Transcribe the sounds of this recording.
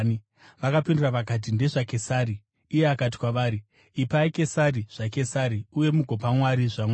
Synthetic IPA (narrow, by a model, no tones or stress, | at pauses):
n | ʋakapinduraʋak̬at̬inde̞ʐake̞saːɾiː | je̞akat̬i̥kwaʋaːɾi | ipaike̞saɾiʐ̥ake̞saɾiuje̞muɡʱo̞pamwaɾiʐamwa